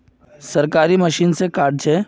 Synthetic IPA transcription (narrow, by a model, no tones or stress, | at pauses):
sɐɾkaːɾiməʃiːnsekaːɾɖ̚t͡ʃʰɛː